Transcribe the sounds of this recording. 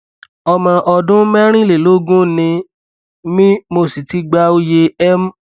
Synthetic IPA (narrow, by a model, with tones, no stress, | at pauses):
ɔ˧mã˧ʔɔ˧dũ˦mɛ˦ɾ̃ĩ˦le˨lo˨˦ɡũ˦nĩ˧ | mĩ˦mo˧si˨ti˨˦ɡ͡ba˧o˦je˧ɛ˦m̩˦